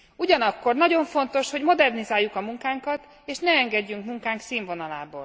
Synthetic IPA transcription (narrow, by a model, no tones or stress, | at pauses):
uɟɒnɒkːo̞rnɒɟo̞ɱfo̞nt̪o̞ʃho̞ɟmo̞d̪ɛrnizaːjːukɒmuŋkaːŋkɒt̪ | eːʃnɛɛŋɡɛɟːyŋkmuŋkaːŋksiːɱvo̞nɒla̰ːbo̰ːl